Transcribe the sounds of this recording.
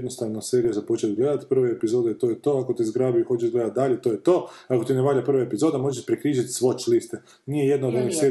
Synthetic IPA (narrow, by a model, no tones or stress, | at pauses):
d̪nost̪aʋnoseːɾijazapot͡ʃet̪ɡle̞d̪at̪pr̩ʋeepizo̞ːd̪eet̪o̞ːjet̪o̞akot̪izɡɾaːbiuxo̞t͡ʃeʒɡle̞d̪at̪̚d̪aʎet̪o̞ːjet̪o̞ːako̞t̪ineʋaːʎapr̩ʋaepizo̞ːd̪emo̞ʒeʃpɾikɾiːʒit̪sʋo̞t͡ʃlist̪e | nijeje̞d̪naod̪o̞nixse